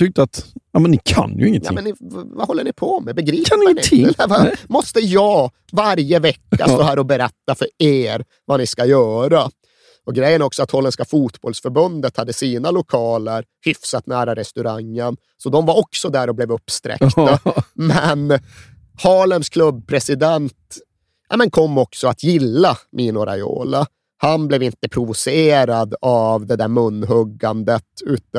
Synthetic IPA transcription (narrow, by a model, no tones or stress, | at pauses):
t̪ʰʏk̚t̪əat̪jɑːmɛnːɪkʰa̰njɵ̰ɪŋːən̰ɪmɛnːɪvahɔlːəɳɪpʰɔmɛbɛɡɾiːɛɪəɪvamɔst̪əjɑː | vaɾjəvɛkːa̰sɔɦæːɾɔbɛɾɛt̪ːafœɾeːɾ | vanɪskajœːɾa | ɔɡɾɛjːənæɾɔksɔat̪hɔlːənskafuːt̪bɔlsfœɾbɵnd̪ət̪had̪ːəsiːnalʊkʰɑːləɾhʏfsat̪næːɾaɾɛst̪ɵɾaŋːən | sɔd̪ɔmvaɾɔksɔd̪æːɾɔblɛːvɵpːst̪ɾɛ̰kt̪amɛn | hɑːlənskʰlɵbːpʰɾɛsɪd̪ɛnt̪ | a̰mɛnkʰɔmːɔksɔat̪ʰjɪlːamʔiːnʊɾa̰jo̰ːla | hanblɛvɪnt̪əpʰɾʊvʊseːɾad̪avd̪ɛd̪æːɾmɵnːɦɵɡːand̪ət̪ʉ̟ːt̪